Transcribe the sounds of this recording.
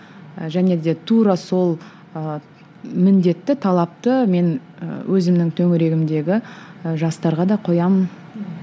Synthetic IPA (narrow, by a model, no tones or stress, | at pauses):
ʒæne̞d̪e̞t̪ʰuɾɑso̞lˠ | ə | mɪnd̪e̞t̪ːɪt̪ʰɑlˠɑp̚t̪əme̞nwʔɵzɪmnɪŋt̪ʰɵŋɪɾe̞ɡʲɪmd̪e̞ɡʲɪʒɑst̪ɑɾʁɑd̪ɑqʰo̞jɑmən